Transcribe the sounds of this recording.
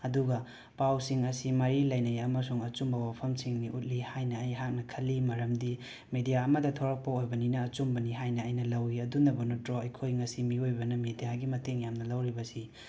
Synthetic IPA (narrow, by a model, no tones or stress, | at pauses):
ɐduɡɐ | pawsiŋɐsimɐɾilɐjnɐjɐmɐsuŋɐt͡ʃumbɐwapʰɐmsiŋniʔut̚lihajnɐːjɦak̚nɐkʰɐlːimɐɾɐmdi | medijaɐmɐdɐtʰoɾɐk̚pɐojbɐninɐːt͡ʃumbɐniɦajnɐɐjnɐlɐwiɐdunɐbɐnotɾoɐjkʰojŋɐsimiojbɐnɐmedijaɡimɐteŋjamnɐlɐwɾibɐsi